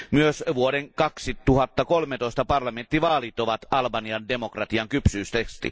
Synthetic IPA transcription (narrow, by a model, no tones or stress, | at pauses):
myøsʋuoɾeŋkɑksit̪uhɑt̪ːɑkolmet̪oist̪ɑpɑrlɑment̪ːiʋɑːlit̪ːoʋɑt̪ɑlbɑniɑndemokrɑt̪iɑŋkypsyːst̪ekst̪ḭ